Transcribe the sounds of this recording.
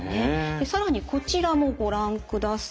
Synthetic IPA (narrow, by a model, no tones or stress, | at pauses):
ned̪̥e̞saɾaɲ̟iko̞t͡ɕiɾamo̞ɡo̞ɾãŋkɯ̟d̪as